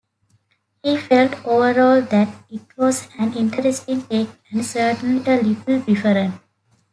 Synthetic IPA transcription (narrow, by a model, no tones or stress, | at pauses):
hiːfelʈoːʋəɾɔːld̪æʈɪʈʋɔːzæ̃nɪ̃nʈʰəɾesʈĩŋʈeːkæ̃ɳɖsəɾʈə̃n̩iəlɪʈlbɪfəɾə̃ɳ